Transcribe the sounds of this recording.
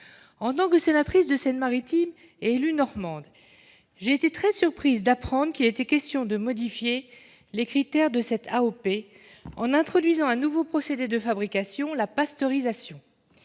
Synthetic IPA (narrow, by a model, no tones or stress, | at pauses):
ɑ̃t̪ɑ̃kəsenat̪χisd̪əsɛnmaʁit̪im | eːlynɔʁmɑ̃d̪ | ʒeːt̪et̪χɛsyʁpχizd̪apχɑ̃d̪ʁəkʲilet̪ɛkʲɛst̪jɔ̃d̪əmɔd̪ifje | lekχit̪ɛʁd̪əsɛt̪ʰaope | ɑ̃nɛ̃t̪χɔd̪ɥizɑ̃ɛ̃nuvopχɔsed̪ed̪əfabʁikasjɔ̃lapast̪ɔʁizasjɔ̃